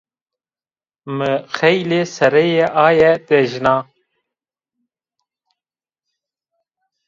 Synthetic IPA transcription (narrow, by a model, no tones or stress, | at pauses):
məxejlesɐɾejeʔaːjet̪eʒnaː